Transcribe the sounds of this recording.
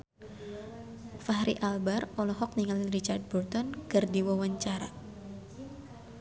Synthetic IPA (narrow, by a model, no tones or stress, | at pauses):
fahɾiʔalbarɔlɔɦɔk̚niŋalirit͡ʃard̪̚bɔrt̪ɔnkərd̪iwɔwaɲt͡ʃaɾa̰